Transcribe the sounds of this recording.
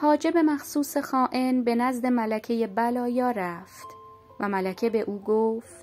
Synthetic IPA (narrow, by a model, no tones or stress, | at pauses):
hɒːd͡ʒe̞be̞mæxsuːse̞xɒːʔe̞nbe̞næzd̪e̞mælækʰejebælɒːjɒːɾæft̪ | væmælæcʰebe̞ʔuːɡoft̪